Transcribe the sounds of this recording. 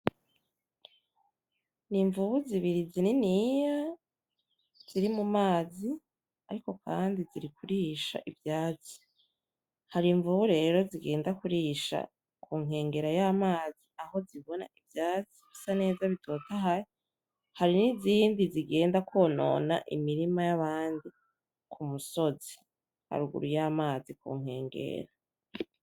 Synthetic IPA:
niɱvuβuziβiɾizininija | z̥iɾimumaːzi | aɾiko̞kʰaːndiziɾikuɾiʃa̰ʔivjaːt͡si̥ | haɾiɱvuβuɾe̞ːɾo̞ziɡe̞ːndakuɾiʃa̰ | kuːŋ̥he̞ːŋɡe̞ɾajamaːziaho̞ziβo̞na̰ivjaːt͡si̥ɡ̥usane̞ːzaβitʰo̞ːtaɦaji | haɾiniziːndiziɡe̞ːndakwo̞ːno̞̰na̰ʔḭmiɾimajaβaːndi | kʰumuso̞zi̥ | ha̰ɾuɡṵɾujaːmaːzikṵːŋ̥he̞̰ːŋɡe̞̰ɾa

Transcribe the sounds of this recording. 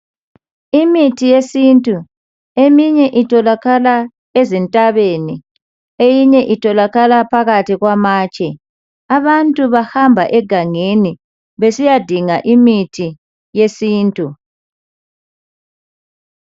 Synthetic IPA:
imitʰijesintʼu | emiɲɛʔitʰɔlaɣala | ezintʼaβeni | ejiɲɛʔitʰɔlaɣalapʰaɣatʰiɣwamaːt͡ʃʼɛ | aβantʼuβahambʱa̰ʔɛɡ̥ʱaŋeni | βesijad̥ʱiŋaʔimitʰi | jesiːntʼu

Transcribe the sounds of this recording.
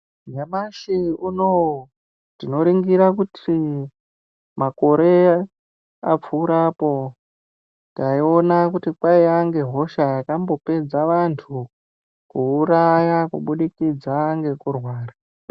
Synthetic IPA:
ɲamaʃiuno | tino̞ɾiŋɡiɾakutʰi | mako̞ɾe̞ | a̰p͡fuːɾaːpo̞ | taio̞nakutipaiaŋɡe̞ɦo̞ʃaːkambo̞pe̞d͡zaʋantʰu | kuːɾajakṵɓuɗikid͡zaŋɡe̞kurwaːra

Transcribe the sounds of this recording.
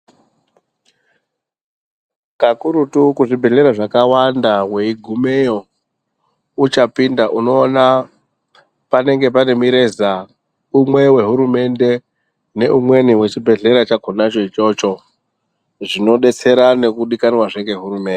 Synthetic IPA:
kakuɾutukuʐibʱe̞ɮe̞ɾaʐakawandawe̞iɡʱumejo̞ | ut͡ʃapindaʔuno̞ːna | pane̞ŋɡe̞pane̞miɾe̞za | umwe̞we̞ɦuɾume̞nde̞ | ne̞ʔumwe̞niwe̞t͡ʃibʱe̞ɮe̞ɾat͡ʃaɡʱonat͡ʃoit͡ʃo̞t͡ʃo̞ | ʐino̞ɗe̞t͡se̞ɾane̞kuɗikanwaʐeŋɡe̞ɦuɾume̞ːnde

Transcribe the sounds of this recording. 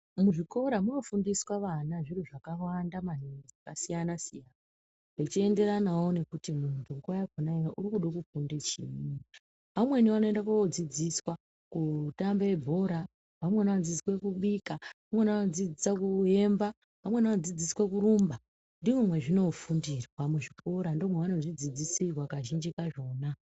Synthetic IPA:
muʐiko̞ɾamuno̞fundiswaʋanaʐiruʐakawandamanid͡zakasijanasijana | ʐet͡ʃie̞nde̞ɾanaone̞kutimuntʰuŋɡuajakonaeaʔurikuɗokufundet͡ʃiːni | ʋamwe̞niʋano̞endakakod͡zid͡ziswa | kutambeebʱo̞ɾa | ʋamwe̞nanod͡ziswe̞kuɓikaamwe̞nʋanod͡zid͡zisakue̞mba | ʋamwe̞nʋanod͡zid͡ziswekuɾumba | ndiʐomwe̞ʐino̞fundirwamuʐiko̞ɾandomweʋano̞ʐid͡zid͡zisirwakaʒind͡ʒikaʐo̞ːna

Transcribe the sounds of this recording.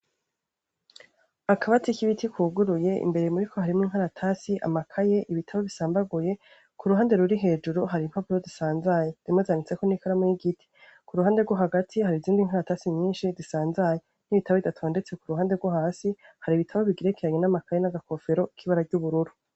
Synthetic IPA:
akʰaβatikiβitʰikʰuːɡuɾuje̞ʔḭmbe̞ɾemuɾikʰo̞haɾimŋiŋ̥ɦaɾatʰasiʔa̰makʰaje̞ʔiβitʰaβo̞βisaːmbaɡuje̞ | kuɾuɦaːnde̞ɾuɾiɦe̞ːd͡ʒuɾuɦaɾim̥apuɾozisaːnzajez̥iimozanit͡se̞ko̞nikaɾamujiɡitʰi̥ | kuɾuhaːnde̞ɡwoɦaɡatʰiɦaɾiziːndiŋ̥ɦaɾatasiɲiːnʃizisaːnzaje | n̥iβitaβoβitatʰoːndet͡se̞kuɾuhaːnde̞ɾɡwoɦaːsihaɾiːβitʰaβo̞βiɡiɾekʰeɾaɲe̞namakʰaje̞naɡakʰo̞fe̞ɾo̞ikʰiβaɾaɟuβuɾuɾu

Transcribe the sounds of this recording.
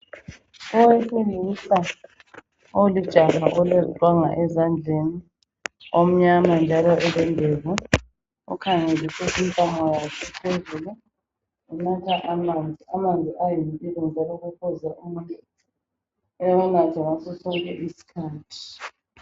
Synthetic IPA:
ɔwefilisa | olid̥ʒ̥ʱaɣaʔɔlɛlwaŋa̰ʔɛzand͡ɮʱeni | om̩ɲamand͡ʒʱalɔʔɛlɛndʱevu | ṵkʰaŋelisɛsɛntʼamɔjakʰɛpʰezulu | ɛnatʰaʔamand͡zʱiamand͡zʱiʔajinpʼilɛnd͡ʒʱalɔɣukʰɔzɛʔumuti | ɛwɛnatʰaŋasɔsɔŋkʼɛʔisi̥kʰaːtʰi̥

